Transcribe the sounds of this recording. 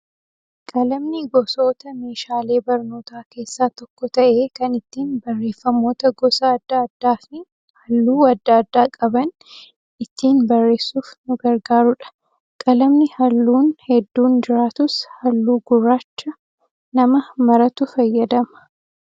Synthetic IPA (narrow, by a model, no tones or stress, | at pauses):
kʼɐlɐmnɪɡɔso̞ːt̪ɐme̞ːʃaːle̞ːbɐɾno̞ːt̪aːke̞ːsːaːt̪ɔkːɔt̪ɐʔe̞ːkɐnɪt̪ːiːnbɐrːe̞ːfːɐmːo̞ːt̪ɐɡɔsɐːd̪ːɐːd̪ːaːfɪ | hɐlːuːɐd̪ːɐːd̪ːaːkʼɐbɐn | ɪt̪ːiːnbɐrːe̞ːsːuːfnʊɡɐɾɡaːɾʊᶑɐ̥ | kʼɐlɐmnɪhɐlːuːnhɛd̪ːuːnd͡ʒɪɾaːt̪ʊshɐlːuːɡʊrːaːt͡ʃːɐ | nɐmɐmɐɾɐt̪ʊfɐjːɐd̪ɐmɐ̥